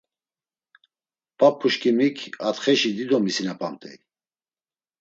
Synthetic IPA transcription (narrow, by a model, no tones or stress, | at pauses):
pʼapʰːuʃkʼimikʰat̪χɛʃid̪id̪ɔmisinapʼamt̪ʼɛ̰